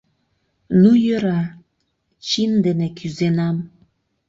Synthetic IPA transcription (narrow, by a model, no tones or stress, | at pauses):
nujøɾa | t͡ɕind̪enekyzenam